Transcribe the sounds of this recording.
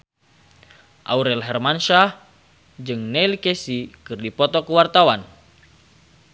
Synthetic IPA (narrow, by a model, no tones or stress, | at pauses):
ʔa̰uɾɛlɦɛrmanʃah | d͡ʒɨŋnɛilkɛsikɨrdipɔt̪ɔkuwart̪awan